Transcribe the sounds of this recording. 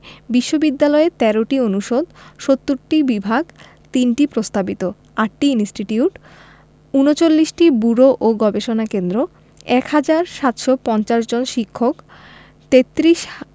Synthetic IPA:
biʃːobid̪ːalɔet̪ɛɾoʈionuʃod̪ʃot̪ːuɾʈibibʱaɡ | t̪inʈipɾost̪abit̪o | aʈːiinisʈiʈiuʈ | unot͡ɕolːiʃʈibuɾoʔoɡɔbeʃonakend̪ɾo | ɛkhad͡ʑaɾʃat̪ʃopɔnt͡ɕaʃd͡ʑonʃikʰːok | t̪et̪ːɾiʃ

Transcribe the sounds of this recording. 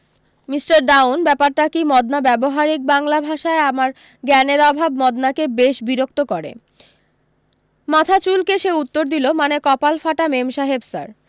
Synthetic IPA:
misʈaɾɖawnbɛpaɾʈakimɔd̪nabɛboɦaɾik̚baŋlabʱaʃaeamaɾ | ɡɛneɾɔbʱabmɔd̪nakebeʃbiɾok̚t̪okɔɾḛ | mat̪ʰat͡ɕulkeʃeut̪ːoɾd̪ilomanekɔpalfaʈamemʃaɦebsa̰ɾ

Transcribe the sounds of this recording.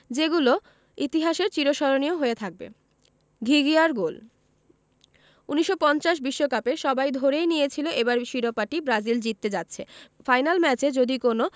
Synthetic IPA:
d͡ʑeɡulo | it̪iɦaʃeɾt͡ɕiɾoʃɔɾonioɦoet̪ʰak̚bḛ | ɡʱiɡiaɾɡol | uniʃːopɔnt͡ɕaʃ̬biʃːokapeʃɔbajd̪ʱoɾejnijet͡ɕʰiloʔebaɾʃiɾopaʈibɾad͡ʑild͡ʑit̪ːed͡ʑatːɕʰefajnalmɛt͡ɕed͡ʑod̪ikono

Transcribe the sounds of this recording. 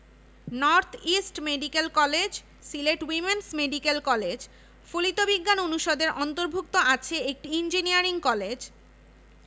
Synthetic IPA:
nɔɾt̪ʰisʈmeɖikelkɔled͡ʑ | sileʈwimensmeɖikelkɔled͡ʑ | folit̪obiɡːanonuʃod̪eɾʔɔnt̪oɾbʱuk̚t̪oʔat͡ɕʰeek̚ʈiind͡ʑiniaɾiŋkɔled͡ʑ

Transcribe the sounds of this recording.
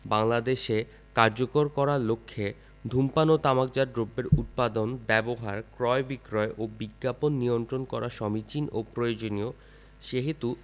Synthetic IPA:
baŋlad̪eʃe | kaɾd͡ʑokoɾkɔɾalokʰːe | d̪ʱumpanot̪amak̚d͡ʑaɾɖɾobːeɾʔut̪̚pad̪onbɛboɦaɾkɾɔebikɾɔeʔobiɡːaponːijont̪ɾonkɔɾaʃɔmit͡ɕinopɾojod͡ʑonio | ʃeɦit̪u

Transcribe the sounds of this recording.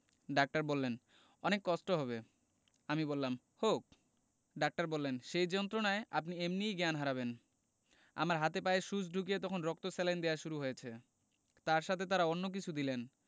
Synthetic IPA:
ɖak̚ʈaɾbolːen | ɔnekːɔʃʈoɦɔβe | amibolːam | hok | ɖak̚ʈaɾbolːenʃejd͡ʑɔnt̪ɾonaeʔa̰p̬niemnijɡɛanɦaɾaβen | a̰maɾɦat̪epaeʃud͡ʑɖʱukijet̪ɔkʰonɾɔk̚t̪osɛlend̪eaʃuɾuɦojet͡ɕʰe | t̪aɾʃat̪ʰet̪aɾaonːok̬it͡ɕʰud̪ilen

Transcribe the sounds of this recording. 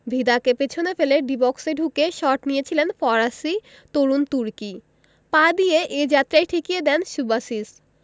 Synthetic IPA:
bʱid̪akepet͡ɕʰonefeleɖibɔkseɖʱukeʃɔʈnijet͡ɕʰilenfɔɾasi | t̪oɾunt̪uɾki | pad̪ijeʔed͡ʑat̪ːɾajʈʰikijed̪ɛnʃubaʃis

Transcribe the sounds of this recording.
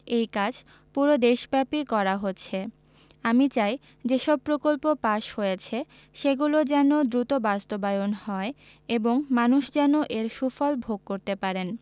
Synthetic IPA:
ejkad͡ʑʱ | puɾod̪eʃbɛpikɔɾaɦotːɕʰe | amit͡ɕaj | d͡ʑeʃɔb̚pɾokolpopaʃhojet͡ɕʰe | ʃeɡulod͡ʑɛnod̪ɾut̪obast̪obajonhɔe | eboŋmanuʃd͡ʑɛnoʔeɾʃufɔlbʱoɡ̚koɾt̪epaɾen

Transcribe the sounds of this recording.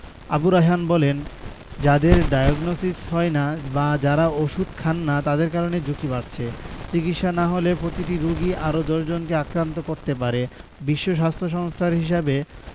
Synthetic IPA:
a̰buɾaɦanbɔlen | d͡ʑad̪eɾɖajoɡnosishɔenabad͡ʑaɾaoʃud̪kʰanːat̪ad̪eɾkaɾoned͡ʑukibaɾt͡ɕʰet͡ɕikit̪ʃanaɦolepɾot̪iʈiɾuɡiʔaɾod͡ʑoɾd͡ʑonkeakɾant̪okoɾt̪epaɾebiʃːoʃ̬ast̪ʰɾoʃ̬ɔŋst̪ʰaɾɦiʃabe

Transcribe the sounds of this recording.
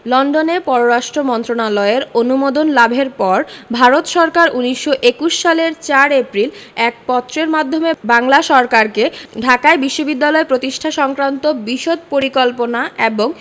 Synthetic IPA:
lɔɳɖonepɔɾoɾaʃʈɾomɔnt̪ɾonalɔeɾonumod̪onlabʱeɾpɔɾbʱaɾot̪ʃɔɾkaɾʔuniʃːoʔekuʃːaleɾt͡ɕaɾepɾilɛk̚pɔt̪ːɾeɾmad̪ʱːomebaŋlaʃɔɾkaɾkeɖʱakaebiʃːobid̪ːalɔepɾot̪iʃʈʰaʃɔŋkɾant̪obiʃod̪̚poɾikɔlponaʔeboŋ

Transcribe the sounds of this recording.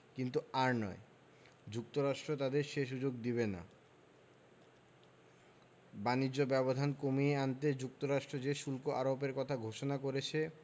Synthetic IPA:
kint̪uaɾnɔ̰e | d͡ʑuk̚t̪oɾaʃʈɾot̪ad̪eɾʃeʃ̬ud͡ʑoɡ̚d̪iβena̰ | banid͡ʑːobɛbod̪ʱankomieant̪ed͡ʑuk̚t̪oɾaʃʈɾod͡ʑeʃulkoʔaɾopeɾkɔt̪ʰaɡʱoʃonakoɾet͡ɕʰe

